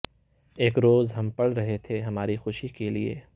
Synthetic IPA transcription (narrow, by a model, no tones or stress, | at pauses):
eːkɾoːzɦɐ̃mpɐɽɾɐɦet̪ʰeɦɐmaːɾixʊʃikeliḛː